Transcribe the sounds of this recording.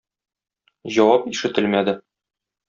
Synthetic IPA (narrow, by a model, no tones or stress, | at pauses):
jʑɒwɑpiʃɘ̆t̪ɘlmæd̪ɘ